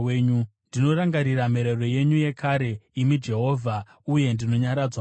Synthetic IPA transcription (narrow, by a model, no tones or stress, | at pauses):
eɲundino̞ɾaŋɡaɾiɾame̞ɾero̞je̞ɲuje̞kʰaɾe̞imid͡ʒe̞ɦo̞ːvʱa | uje̞ndino̞ɲaɾad͡zwa